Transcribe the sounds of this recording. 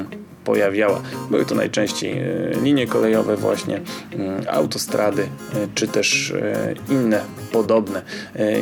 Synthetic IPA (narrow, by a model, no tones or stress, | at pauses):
pɔ̰javʲjawa̰bɘwɘt̪ɔna̰jt͡ʂɛ̃w̃ɕt͡ɕḛjlʲiɲjɛkɔlɛjɔvɛvwa̰ɕɲɛ | a̰wt̪ɔst̪ɾad̪ɘt͡ʂɘt̪ɛʂ | inːɛpɔd̪ɔbnɛ